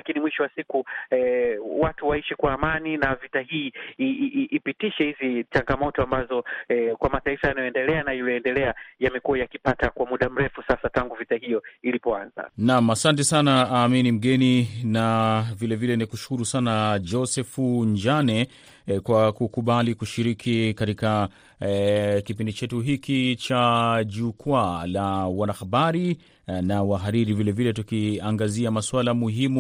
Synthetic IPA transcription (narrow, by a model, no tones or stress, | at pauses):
lakinimwiʃɔwasikuɛwatuwaiʃɛkwaːmaninavitahiːʔiʔːpitiʃɛhizit͡ʃaŋɡamɔtɔambazɔɛkwamataifajanajɔɛndɛlɛanaijɔɛndɛlɛajamɛkuwajakipatakwamuɗam̩ɾɛfusasataŋɡuvitahijɔilipɔanza̰namasantɛsanaaːminim̩ɠɛninavilɛvilɛnikuʃu̥kuɾusanad͡ʒɔsɛfuɲd͡ʒanɛ | kwakukuɓalikuʃiɾikʰikatika | kipindit͡ʃɛtuɦikit͡ʃaʄukwalawanahaɓaɾi | nawaɦaɾiɾivilɛvilɛtukiaŋɡaziamaswalamuɦimu